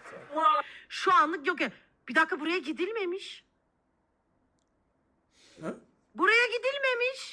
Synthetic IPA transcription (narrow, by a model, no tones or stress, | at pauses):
ʃuanlˠɯk̬jok̬ja | b̥id̪akʰːabuɾajaɟid̪ilʲme̞miʃ | buɾajaɟid̪ilʲme̞miʃ